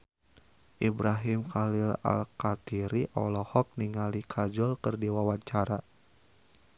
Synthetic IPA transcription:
ʔibɾaɦimkalila̰lkat̪iɾiʔɔ̰lɔhɔk̚niŋalikʰad͡ʒɔlkɨrdiwawaɲt͡ʃaɾa

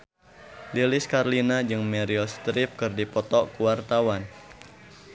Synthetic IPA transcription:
liliskarlinad͡ʒɨŋmɛɾiɔst̪ɾɪp̚kɨrdipɔt̪ɔkuwart̪awan

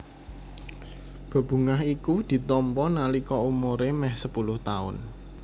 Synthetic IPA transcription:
b̥a̤b̥ṳŋaɦikud̪̥i̤t̪ɔmpɔnalikɔumoɾemɛhsəpulʊht̪aʊ̰n

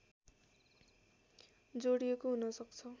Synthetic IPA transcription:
d͡zoɽijekoɦunʌsʌkt͡sʰʌ

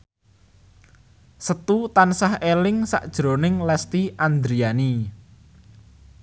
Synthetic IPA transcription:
sət̪ut̪ansahelɪŋsa̰ʔd̥ʒ̥ɾo̤nɪŋlɛst̪iʔand̪ɾiani

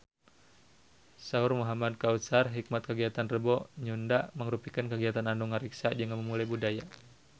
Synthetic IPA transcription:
saurmɔɦamad̚kaut̪sarɦik̚mat̪̚kəɡiat̪anrəbɔɲundaʔməŋɾupikənkəɡiat̪ananduŋaɾiksad͡ʒəŋaməmulajbudaja

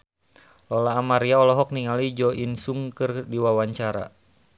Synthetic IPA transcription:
lɔlaːmaɾiaɔlɔɦɔk̚niŋalid͡ʒɔʔinsuŋkɨrdiwawaɲt͡ʃaɾa̰

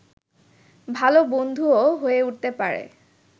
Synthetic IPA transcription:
bʱalobond̪ʱuoɦojɛuttɛpaɹɛ̰

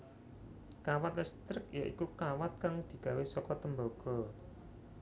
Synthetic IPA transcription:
kawat̪lɛst̪ɾɪkja̰ʔikukawat̪̚kaŋd̪̥i̤ɡ̥a̤wesɔkɔt̪əmboɡ̥ɔ̤

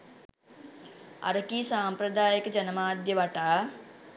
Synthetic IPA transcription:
ɐ̰ɾkiːsaːmpɾəd̪aːjəkd͡ʒɐnmaːd̪jəʋɐʈaː

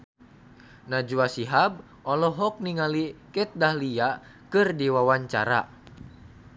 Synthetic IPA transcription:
nad͡ʒuasiɦab̚ | ʔɔlɔɦɔk̚niŋalikɛt̪̚dahlia | kɨrdiwawaɲt͡ʃa̰ɾa̰

